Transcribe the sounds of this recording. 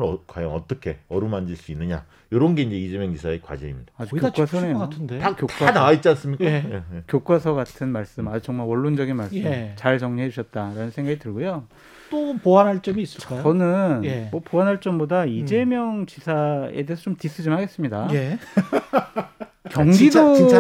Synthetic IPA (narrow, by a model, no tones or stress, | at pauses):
kwajʌ̰ŋʌ̰t͈ʌkʰe̞ʌɾɯmand͡ʑiɭs͈uinːɯɲa̰ | joɾʌnɡeind͡ʑe̞id͡ʑe̞mjʌŋt͡ɕisʰaekwa̰d͡ʑeimɲid̥aad͡ʑikːjokkwasʰʌnejoandekjok͈waanawait͡ɕ͈ans͈ɯmɲik͈aekjok͈wasʰʌɡatʰɯnmaɭs͈ɯmad͡ʑikt͡ɕʌŋmaɭwʌɭːond͡ʑʌɡinmaɭs͈ɯt͡ɕaɭt͡ɕʌŋɲiɦe̞d͡ʑuɕʰʌt̚t͈aɾanɯnsʰeŋɡaɡitɯɭɡojo | t͈opoanɦaɭt͡ɕ͈ʌmiːs͈ɯk͈ajoʌnɯnjemʌpoɦanɦaɭt͡ɕ͈ʌmbodaid͡ʑe̞mjʌŋt͡ɕisʰaede̞eːsʰʌt͡ɕomtis͈ɯd͡ʑimɭhaɡe̞s͈ɯmɲidaje | kjʌŋɡido